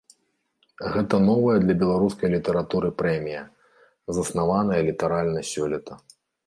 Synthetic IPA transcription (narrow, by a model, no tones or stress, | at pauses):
ɣɛt̪ɐnɔvɐjɛd̪lʲɐbʲɛlˠaɾuskɐjlʲit̪ɛɾat̪uɾɨpɾɛmʲijɐ | zɐsnavanɐjɐlʲit̪aɾalʲnɐsʲɔlʲit̪ɐ